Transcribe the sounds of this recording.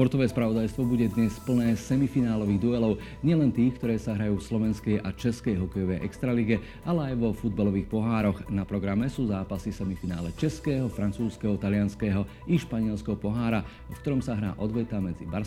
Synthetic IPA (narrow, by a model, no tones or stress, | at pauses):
spɔɾt̪ɔʋɛːspɾaʋɔd̪ajst̪ʋɔbuɟɛd̪ɲɛspl̩nɛːsɛmifinaːlɔʋiːɣd̪uɛlɔʊ | ɲɪɛlɛnt̪iːxkt̪ɔɾɛːsaɦɾajuːfslɔʋɛnskɛjʔat͡ʃɛskɛjɦɔkɛjɔʋɛjʔɛ̰kst̪ɾaliɡɛ | ʔalɛajʋɔfud̪̚balɔʋiːxpɔɦaːɾɔɣnapɾɔɡɾamɛsuːzaːpasifsɛmifina̰ːlɛt͡ʃɛskɛːɦɔfɾant͡suːskɛɦɔt̪alɪanskɛːɦɔ | iʃpaɲɪɛlskɛɦɔpɔɦaːɾa | fkt̪ɔɾɔmsaɦɾa̰ːʔɔd̪ʋɛt̪amɛd͡zḭbaɾ